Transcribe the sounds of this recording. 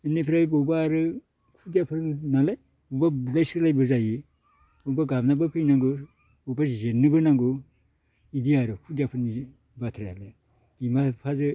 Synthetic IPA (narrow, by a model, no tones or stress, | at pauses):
ɯnipʰɾajbɔwbaːɾɯ | kʰudijapʰɯɾnalaj | bɔwbablajsklajbɯzajɯ | bɔwbaɡabnabɯpʰɯjnaŋɡɯ | bɔwbazenɯbɯnaŋɡɯ | idiaɾɯkʰudijapʰɯɾni | batʰɾeja̰le | ɡimapʰazɯ